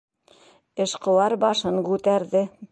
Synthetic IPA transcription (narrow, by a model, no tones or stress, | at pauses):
ɘ̆ʃqŏw̪ɑɾbɑʃɤŋkʉt̪æɾðɘ